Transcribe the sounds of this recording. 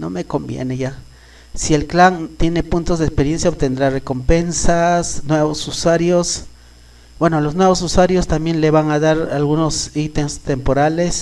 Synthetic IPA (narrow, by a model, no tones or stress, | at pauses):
no̰mekombjḛneʝa | sielklant̪jenepunt̪ozðekspeɾjensjaop̚t̪end̪ɾarekompensasnweβosuswaɾjos | bwenolosnweβos̬uswaɾjost̪amje̞nleβaŋaðaɾalɣunosit̪enst̪empoɾales